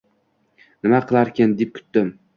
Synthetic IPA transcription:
nɪmaqʰɨlˠaɾkʲʰɪnd̪ep̚kʲʰʊ̥t̪d̪ɪm

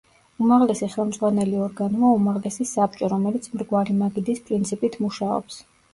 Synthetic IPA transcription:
umaʁlɛsiχɛlˠmd̪zʁwanɛliɔɾɡanuaumaʁlɛsisap̚ʼt͡ʃʼɔɾɔmɛlit̪sʰmɾɡwaɾimaɡid̪ispʼɾint̪sʰipʼit̪ʰmuʃaɔ̰ps

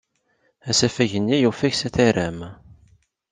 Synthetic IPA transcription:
æsæfæʝənːijufæçsæθæɾæm

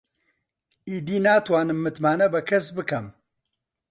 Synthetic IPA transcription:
iːd̪iːnaːt̪waːnɨmːɨt̪maːnɐbɐkʰɐsbɨkɐm

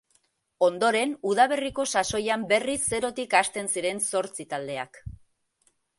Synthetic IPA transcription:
o̞nd̪o̞ɾe̞nuð̞aβe̞riko̞saso̞jambe̞risːe̞ɾo̞t̪ikast̪e̞nsiɾe̞nso̞ɾt͡sit̪ald̪e̞a̰k

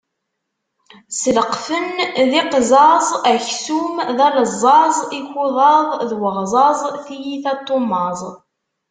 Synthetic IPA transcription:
sələqfənðiqzɑzˤæçsumðæləzˤːɑzˤiçʊðˤɑðˤðwəʁzˤɑzˤθijiθæt̪ˤːomːɑzˤ

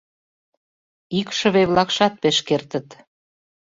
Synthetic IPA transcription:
ikʃə̆βeβlɑkʃɑt̪̚peʃkert̪ə̆t̪

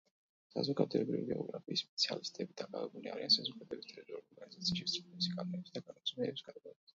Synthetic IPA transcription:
sa̰zɔɡad̪ɛbɾḭviɡɛɔɡɾapʰiːspʼɛt̪sʰialist̪ʼɛbid̪akʼavɛbulia̰ɾiansazɔɡad̪ɛbist̪ʼɛɾɛbiɔɾɡɔɾɡanizat̪sʰiaʃit̪sʼilɛbisiɡanmɛbsd̪aɡanasʰʼmɛːbisɡad̪ɡaɛbas

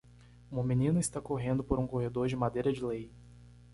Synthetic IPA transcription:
ũmɐmĩnĩnʊɪst̪akoɦẽnd̪ʊpoɾũkohed̪oɾd͡ʒɪmad̪ejɾɐd͡ʒɪlej

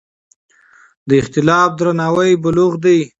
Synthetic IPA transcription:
d̪əɪxt̪ɪlɑːf̚d̪ɾanɑːwajbʊluɣd̪aj

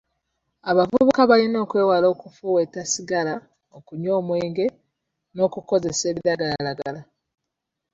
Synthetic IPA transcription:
aβavuβukaβalino̞ːkwe̞ːwalo̞ːkufuwetasiɡala | okuɲo̞ːmwe̞ːŋɡe̞ | no̞ːkuko̞ze̞se̞ːβiɾaɡalalaɡala

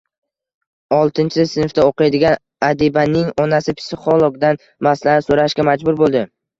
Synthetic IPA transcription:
ɒlˠt̪ʰɪnt͡ʃʰɪsɪnft̪aoqijd̪ɪɡʲan | ad̪ibanɪŋɒnasɪpʰɪ̥sɪχolˠoɡd̪an | maslanɪsoɾaʃkʲamad͡ʒbʊɾbolˠd̪ɪ

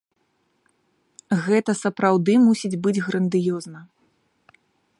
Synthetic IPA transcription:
ɣɛt̪ɐsɐpɾawd̪ɨmusʲid͡zʲbɨd͡zʲɣɾɐnd̪ɨjɔznɐ

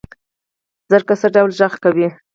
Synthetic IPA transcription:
z̥əɾkasəɖawlʒəɣkawi

